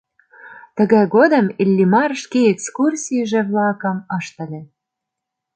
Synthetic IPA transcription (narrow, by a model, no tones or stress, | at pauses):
t̪ə̆ɣɑjɣod̪ə̆milʲːimɑrʃkeekskursʲijəʒĕβlɑkə̆mɤʃt̪ə̆lʲĕ